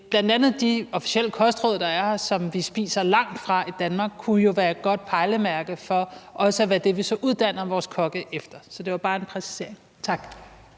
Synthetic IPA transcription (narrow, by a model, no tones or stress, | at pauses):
b̥lænd̥ænð̞̩ˠd̥iɒ̽fi̥sel̰əkʰɒ̽sd̥ʁɔð̰ˠɐd̥ɑ̈æɐhɑsɒ̽mʋisb̥ḭːsɐlɑ̈ŋ̰d̥fʁɑ̈ʔid̥ænmɑ̈ːɡ̥̚kʰujo̝ʋæːɐd̚ɡ̥ɒ̽d̥̚pʰɑ̈ɪləmæɐɡ̥ð̩ˠfɒ̽ʔɒ̽səæʋæd̥e̝ʋisɒ̽ʔuð̞ˠd̥æn̰ɐʋɒːskʰɒ̽ɡ̥əʔefd̥ɐsɒ̽d̥e̝ʋɑ̈b̥ɑ̈ːe̝npʰʁɛsi̥se̝ɐ̰eŋ | t͡sʰɑ̈ɡ̥